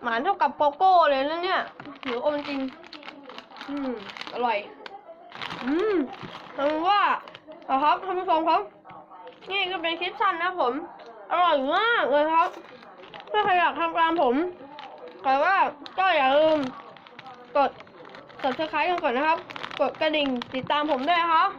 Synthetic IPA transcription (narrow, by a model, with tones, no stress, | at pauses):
maː˨˦nt̪ʰa˥˩wka˨˩pːoː˧koː˧˥˩lɤː˧ja˧˨na˧˥˨ni˦˥˩ɐnɯ˨˦ʔma˧nt͡ɕi˧ŋ | ʔɯː˧˩mʔa˧lɔ˨˩j | ʔɯː˧mha˧u˧waː˧˥˩kɔ˧˩ɦʰɔ˦˥p̚t̪ʰa˧˥mi˧˥˩kʰɔː˧˦ŋkʰɔ˦˥w | ŋɛː˧˥˩kʰɯ˧˩pe˧nkʰi˦˥t̪̚t͡ɕʰa˧˥˩nːa˧˦˥pʰːo˨˦mʔa˧ɾɔ˨˩jmaː˥˩k̚ɤ˧˩˧kʰa˦˥p̚ʰː | ɯ˥˩˨kʰa˧jaː˨˩k̪̚ʰa˧˩mklaː˧mpʰo˩˦m | kɔː˨˩waː˥˩kɔː˥˩jaː˨˩k̚lɤː˧m | ko˨˩t̪̚ | sa˨˩p̚sʰɯː˧˦kʰaː˦˥ka˧nkɔː˨˩nːa˦˥kʰa˦˥p̚ko˨˩t̪̚ka˧di˨˩ŋt̪i˨˩t̪ːaː˧mpʰo˩˦mdu˥˩˨jna˦˥kʰa˦˥p̚